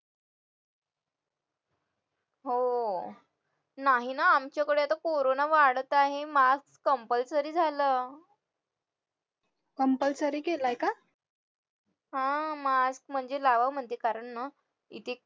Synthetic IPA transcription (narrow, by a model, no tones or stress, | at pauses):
ɦo | naɦinaamt͡ɕjakəɽeat̪akoɾonaʋaɽt̪aɦemaskskəmpəlsəɾiːd͡zʱaləː | kəmpəlsəɾiːkelajka | ɦãmask̚m̤əɳd͡zelaʋaʋm̤əɳt̪ekaɾəɳna | ḭt̪ʰe